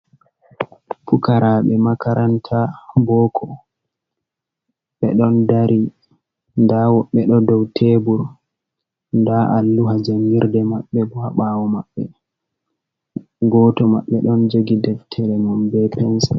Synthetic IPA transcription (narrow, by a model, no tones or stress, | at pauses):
pukaɾaɓɛmakaɾʔantʰabɔkʰɔ | ɓɛɗɔndaɾʔi | ndawɔɓːɛɗɔdɔwtʰebuɾ | ndaʔalːuɦad͡ʒamiɾdɛmaɓːɛbɔhaɓawɔmaɓːɛ | ɡɔtɔma̰ɓːɛɗɔnd͡ʒoɡidɛtʰːɛɾɛmumbɛpɛnsa